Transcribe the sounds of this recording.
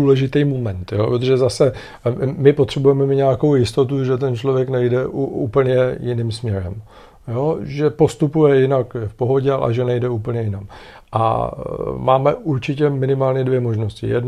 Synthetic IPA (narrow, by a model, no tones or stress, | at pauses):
uːlɛʒɪt̪ijmomɛnt̪jo̞ːpɾot̪o̞ʒɛzasɛ | mɪpot̪r̥ɛbujɛmɛmɪɲɛakowjɪst̪o̞t̪̬uʒɛt̪̬ɛnt͡ʃlovjɛknɛjdɛʔuʔuːpl̩ɲɛjɪniːmsmɲɛɾɛ̰m | jo̞ʒɛpo̞st̪upujɛjɪnakfpo̞ɦo̞ɟɛalʔɛ̰ʒɛnɛjdɛuːp̬l̩ɲɛjɪnam | ʔa̰ | ma̰ːmɛ̰ʔuɾt͡ʃɪcɛmɪnɪmaːlɲɛdvjɛmo̞ʒno̞scɪ̰jɛ̰dn